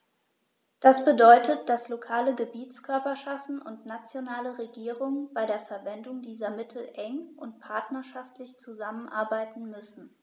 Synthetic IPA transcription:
d̥asb̥ədɔʏtət̚d̥aslokʰaːləɡəbiːt͡skʰœɐpɐʃaftn̩ʔʊ̰ntnat͡sjonaːləʁeɡiːʁʊŋənb̥aɪɾeːɐfɛɐvɛndʊŋdiːzɐmɪtʰl̩ʔɛŋʔʊntpʰaɐtnɐʃaftlɪçt͡suzamənʔa̰ɐbaɪtn̩mʏsn̩

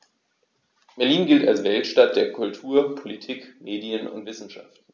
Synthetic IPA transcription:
b̥ɛɐliːnɡɪltalsv̥ɛltʃtat̚d̥eːɐkʰʊltʰuːɐpʰolitʰiːkmeːdiənʊ̰ntv̥ɪsn̩ʃa̰ftn̩

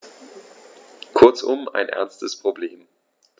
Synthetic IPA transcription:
kʰʊɐt͡sʊ̰ma̰ɪnʔɛ̰ɐnstəspʁ̥obleːm

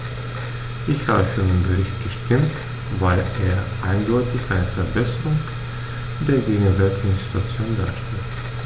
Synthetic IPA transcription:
ʔɪçhaːbəfyːɐdeːnbəʁɪçt̚ɡ̥əʃtʰɪmt | vaɪleːɐʔaɪndɔʏtɪçʔa̰ɪnəfɛɐbɛsɐʁʊŋ | d̥eːɐɡeːɡŋ̩vɛɐtɪçnsti̥tʰuat͡sjoːnda̰ːʃtɛt

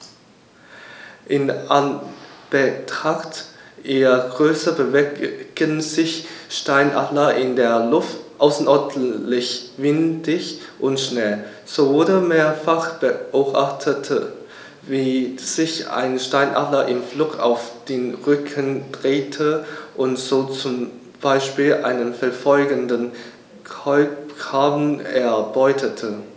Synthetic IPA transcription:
ʔɪnanb̥ətʁ̥aχtʔeːɐɡ̥ʁøːsɐbəvɡ̥ənzɪçʃtaɪnʔa̰dlɐʔɪndeːɐlʊftʔaʊsn̩ʔɔɐdnlɪçvɪndɪçʔʊntʃnɛl | z̥oʊdəmeːɐfaχb̥əʔoːbʔaχtʰətʰə | viːz̥ɪça̰ɪnʃtaɪnʔa̰dlɐʔɪmflʊka̰ʊfd̥eːnʁʏkʰənd̥ʁeːtʰəʔʊntz̥oːt͡sʊm | b̥aɪʃpiːlʔa̰ɪnənfɛɐfɔlɡəndən | kɔʏpkaːbn̩ɛɐb̥ɔʏtʰətʰə

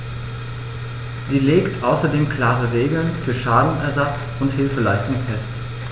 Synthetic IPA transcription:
ziːleːktʔaʊsɐdeːmkʰl̥aːʁəʁeːɡl̩nfyːɐʃaːdn̩ɛɐzat͡s | ʊnthɪlfəlaɪstʊŋfɛst

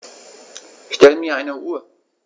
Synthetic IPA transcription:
ʃtɛləmiːɐʔaɪnəʔuːɐ

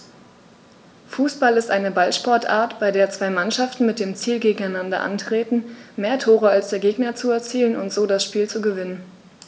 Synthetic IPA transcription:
fuːsb̥alɪstʔaɪnəbalʃpɔɐtʔa̰ːɐtb̥aɪdeːɐt͡sv̥aɪmanʃaftn̩mɪt̚d̥eːmt͡siːlɡeːɡŋ̩aɪnandɐ̰ʔa̰ntʁ̥eːtn̩meːɐtʰoːʁəalsd̥eːɐɡeːɡnɐt͡suɛɐt͡siːlənʊ̰ntz̥oːdasʃpiːlt͡suɡəvɪnən

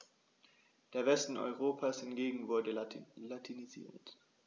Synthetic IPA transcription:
d̥eːɐvɛstn̩ɔ̰ʏʁ̞oːpʰashɪntɡ̥eːɡŋ̩vʊɐdəlatʰinizḭːɐt

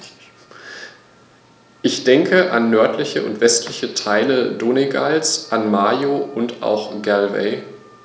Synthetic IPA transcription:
ʔɪçd̥ɛŋkʰəʔanːœɐtlɪçəʊ̰ntv̥ɛstʰlɪçətʰaɪlədoːneɡa̰lsʔanmaːjoʊntʔa̰ʊxɡ̥ɛlvɛ̰ɪ

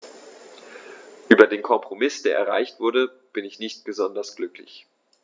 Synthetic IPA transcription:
ʔyːbɐdeːnkʰɔmpʁ̥omɪsd̥eːɐʔɛ̰ɐʁ̞a̰ɪçtv̥ʊɐdə | b̥ɪnɪçnɪçt̚b̥əzɔndɐsɡ̥lʏklɪç

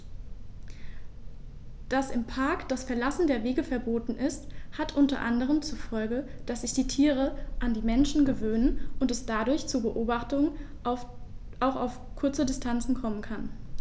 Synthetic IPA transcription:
d̥asɪmpʰaɐkd̥asfɛɐlasn̩deːɐveːɡəfɛɐboːtn̩ɪsthatʔʊntɐ̰ʔandəʁ̞əmt͡sufɔlɡəd̥asz̥ɪçd̥iːtʰiːʁ̞əʔandiːmɛnʃn̩ɡəvøːnənʔʊntɛsd̥adʊɐçt͡suːbəʔoːbaχtʊŋ | ʔaʊxaʊf | kʰʊɐt͡sədɪstʰant͡sn̩kʰɔmənkʰan

